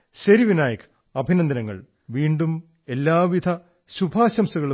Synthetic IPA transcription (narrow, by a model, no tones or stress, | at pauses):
ɕeɾiʋinaːjɐkʰ | ɐbʱinɐnd̪ɐnɐŋːɐ̰ɭ | ʋiːɳɖum | e̞lːaːʋid̪ʱɐ | ɕubʱaːɕɐmsɐɣɐɭu